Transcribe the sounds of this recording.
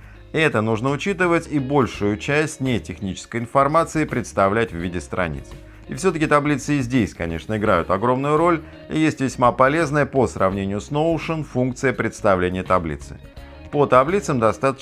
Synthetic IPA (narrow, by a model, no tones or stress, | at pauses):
ɛt̪ənuʐnəʊt͡ɕit̪ɨvətʲibo̞lʲʂʊjʊt͡ɕæsʲtʲnʲetʲɪxnʲit͡ɕɪ̥skəjɪnfɐrmat̪sɨɪpɾʲɪt̪st̪ɐvlʲætʲvvʲidʲɪst̪ɾɐ̰nʲḭt̪s | ɪfsʲɵt̪əkʲɪt̪ɐblʲit̪sɨɪzʲdʲesʲkɐnʲeʂnəɪɡɾajʊt̪ɐɡɾo̞mnʊjʊɾo̞lʲ | ɪ̰jesʲtʲvʲɪsʲmapɐlʲe̞znəjəpəsɾɐvnʲenʲɪjʊsnoʊʂənfunk̚t̪sɨjəpɾʲɪt̪st̪ɐvlʲenʲɪjət̪ɐblʲḭt̪sɨ̥̰ | pət̪ɐblʲit̪səmd̪ɐst̪at̪ə